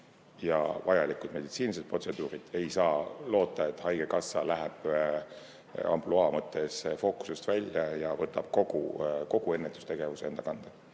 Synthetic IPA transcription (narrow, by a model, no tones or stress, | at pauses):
jɑ̰vɑjɑlikˑud̪̥me̞d̪it̪siːniset̪̚pro̞t̪se̞d̪̥uːɾid̪̥e̞jsɑːlo̞ːt̪ˑːɑe̞t̪ːˑhɑjɡe̞kɑsːɑlæɦeb̥ | ɑ̰mploɑmɤt̪ːˑe̞sfo̞ku̥sust̪vælʲjɑjɑvɤt̪ːˑɑb̥̚ko̞ɡuko̞ɡ̥ue̞nːet̪ːˑust̪e̞ɡ̥e̞vusee̞nd̪̥ɑkɑnd̪̥ɑ